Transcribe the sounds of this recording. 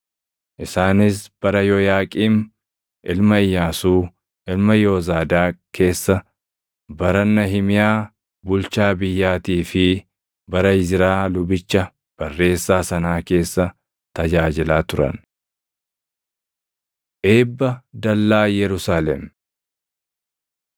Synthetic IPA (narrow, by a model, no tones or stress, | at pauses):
ʔɪsaːnɪs̬b̥ɐɾɐjoːjaːkʼiːm | ʔɪlmɐɪjaːsuː | ɪlmɐjoːzaːd̪aːkʰe̞ːsːɐ | bɐɾɐnːɐɦɪmɪjaː | bʊlt͡ʃaːbɪjːaːt̪iːfɪ | bɐɾɐɪd͡ʒɪɾaːlʊbɪt͡ʃːɐ | b̥ɐrːe̞ːsːaːsɐnaːke̞ːsːɐ | t̪ɐd͡ʒaːd͡ʒɪlaːt̪ʊɾɐ̰n | ʔe̞ːbːɐd̪ɐlːaːjɛɾʊsaːlɛm